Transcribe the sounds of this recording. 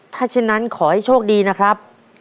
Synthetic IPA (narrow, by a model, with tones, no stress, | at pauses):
t̪ʰaː˥˩t͡ɕʰe˥˩nːa˦˥nkʰɔː˩˦ha˥˩jt͡ɕʰoː˥˩k̚diː˧na˦˥kʰɾa˦˥p̚